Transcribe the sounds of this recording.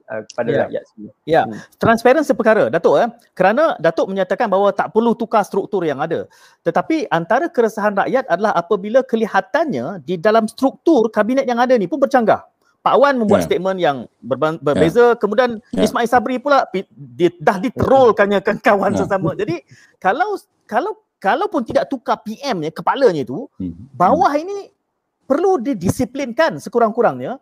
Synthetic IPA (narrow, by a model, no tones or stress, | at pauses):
ə̰əpadaɾa̰ʔja̰t̪̚jat̪ɾanspaɾənsəpərkaɾədat̪ʊʔa | kəɾanãdat̪ʊʔməɲat̪akanbaɦwat̪aʔpərlut̪ukast̪ɾuk̚t̪ʊrjaŋada̰ | t̪ət̪apiʔant̪aɾəkəɾəsaɦanra̰ʔjat̪̚adalaɦapəbilakəlihat̪anɲadidalamst̪ɾuk̚t̪ʊrkabinɛt̪̚jaŋadənipʊnbərt͡ʃaŋɡa̰h | paʔawanmə̃mbuat̪st̪et̪̚mə̃njaŋbərbbərbezakəmudianismãilsabɾipulapididahdit̪əɾʊlkaɲakankawansəs̬amə̃d͡ʒadi | kalaw | kalaw | kalawpʊnt̪idaʔ̚t̪ukapiʔɛmɲəkəpaləɲəit̪ubawahini | pərludidisiplinkansəkuɾaŋkuɾaŋɲə